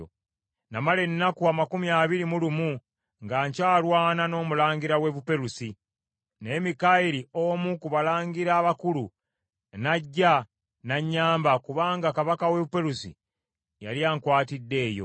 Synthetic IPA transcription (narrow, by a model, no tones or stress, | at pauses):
o̰ | namale̞nːakuamakumiaːβiɾimulumu | ŋɡaːɲcaːlwaːnano̞ːmulaːɲɡiɾawe̞βupe̞ɾusi | ne̞ːmikaiɾio̞mukuβalaːɲɡiɾaːβakulu | naɟːa | naɲːaːmbakuβaːŋɡakaβakawe̞βupe̞ɾusḭ | ja̰ljaːŋkwaːtidːe̞ːjo̞̰